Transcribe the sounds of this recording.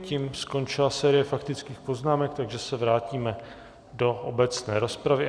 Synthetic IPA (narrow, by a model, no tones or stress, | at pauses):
ciːmsko̞nt͡ʃɪlasɛːɾɪjɛfakt̪ɪt͡skiːxpo̞znaːmɛk̚t̪aɡʒɛsɛvɾaːciːmɛ | do̞ʔobɛt͡snɛːɾo̞spɾavɪ